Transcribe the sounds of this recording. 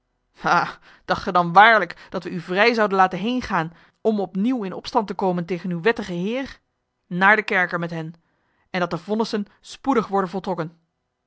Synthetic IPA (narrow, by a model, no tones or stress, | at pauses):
haː | d̥ɑχtχədɑnʋaːɹləkd̥ɑtʋəyvrɛjzɑwdənlaːtənɦejnχaːn | ɔmɔpniwɪnɔ̰pstɑntəkowməntejχənywʋɛtəχəɦɪːr | naːɹdəkɛɹkəɹmɛtɦɛn | ɛndɑt̚dəv̥ɔnəsən | spudəχʋɔɹdənvɔlˠtrɔkən